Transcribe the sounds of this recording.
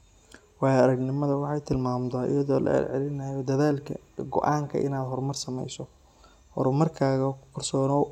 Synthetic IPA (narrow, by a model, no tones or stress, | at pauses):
wɑːjɐɾɐɡnɪmɐðɐwɑħɑjt̪ʰɪlmaːmd̪ɐːʔɪ̰jɐðɔːlʔɐ̰ɛ̰lʕɛ̰lɪnɐjɔd̪ɐðaːlkʰɐ̰ | ɡɔ̰ʔaːŋkʰɐ̰ʔɪ̰naːd̪ɦɔrmɐrsɐmɛ̰jsɔ | hɔ̰ɾmɐrkʰaːɣɐqʰʊrsɔːnɔː